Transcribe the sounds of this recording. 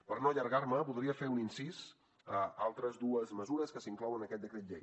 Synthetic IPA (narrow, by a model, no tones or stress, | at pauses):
pəɾnoʎəɾɣaɾməβuðɾiəfeuninsis | əalˠt̪ɾəzd̪uəzməzuɾəskəsiŋklɔwənəkɛt̪̚d̪əkɾet̪̚ʎe